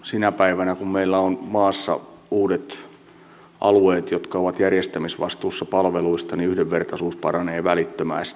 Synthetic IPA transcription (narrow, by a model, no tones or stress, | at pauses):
sinæpæiʋænækummeilːæonmɑːsːɑ̰ | uːdet̪ | ʔɑ̰lueːt̪jot̪kɑoʋɑt̪jærjest̪æmisʋɑ̰st̪uːsːɑpɑlʋeluist̪ɑniyhdeʋʋert̪ɑsuːspɑrɑneːʋælit̪ːømæ̰ːst̪